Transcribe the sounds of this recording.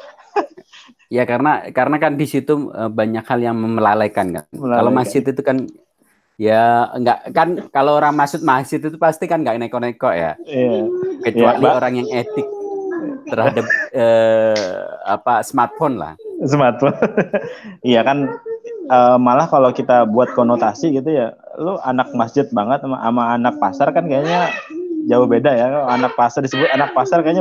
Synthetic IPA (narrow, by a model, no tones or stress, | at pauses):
jakaɾənakaɾənakandisit̪uə̰baɲakhaljaŋməməlalajkanka̰nalomasɪt̪it̪ukan | jaŋɡaʔkankalooɾaŋmasʊt̪̚masɪt̪it̪upast̪ikanŋɡaʔnekɔʔnekɔʔja̰jakət͡ʃuakɲaoɾaŋjaŋet̪ɪk̚t̪ərhadap̚əː | a̰pasəmart̪̚fɔnla̰hsəmart̪̚fɔn | ijakan | əːmalahkalokit̪abuat̪̚konot̪asiɡit̪̬uja | lua̰nak̚masd͡ʒɪt̪̚baŋət̪̚ma̰ʔamaːnak̚pasarkankajaɲad͡ʒaʊhbedajakaanak̚pasardisəbʊt̪anak̚pasarkaaɲa